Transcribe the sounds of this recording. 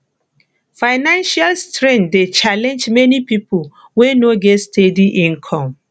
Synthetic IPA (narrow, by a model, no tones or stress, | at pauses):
faɪnãnʃalstɹɛ̃ndet͡ʃalɛ̃nd͡ʒmɛnipipʰol | wenoɡɛtstʰediʔĩnkʰɔ̃m